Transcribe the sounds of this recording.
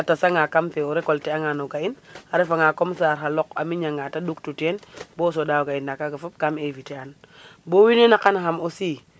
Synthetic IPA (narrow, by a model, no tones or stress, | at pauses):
atasaŋakamfeoɾekolteaŋanoɡainaɾefaŋakomsaɾɦalɔkamiɲaŋataduktutenbos̬odawɡainːakaɡafup̚kamevitean | bowinenakanxamosi